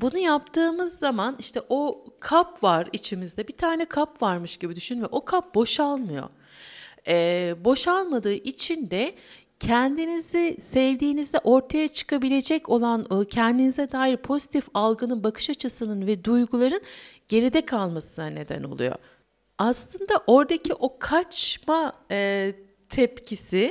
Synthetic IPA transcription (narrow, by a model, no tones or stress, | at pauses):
bunujapt̪ʰɯːmɯzːamaniʃt̪ʰɛʔo̞kʰapvaɾit͡ʃʰimizd̪ɛbit̪ʰaːnɛkʰapvaɾmɯʃɟ̥ibid̪yʃynymɛʔo̞kʰap̚bo̞ʃalˠmɯjo̰ | ɛbo̞ʃalˠmad̪ɯːʔit͡ʃʰind̪ɛ | cʰɛnd̪inizisɛvd̪iːnizd̪ɛʔo̞ɾt̪ʰajat͡ʃʰɯ̥kʰabilʲe̞d͡ʒɛco̞lˠancʰɛnd̪inizɛd̪aːjiɾpʰo̞zit̪ʰifalˠɡɯnɯnbakʰɯ̥ʃat͡ʃʰɯsɯnɯnvɛd̪ujɡulˠaɾɯnɟ̥e̞ɾid̪ɛkʰalˠmasɯnane̞d̪æ̰no̞̰lˠṵjo̰ | aslˠɯnd̪aʔo̞ɾd̪acʰiʔo̞kʰat͡ʃma | t̪ʰɛpcʰisi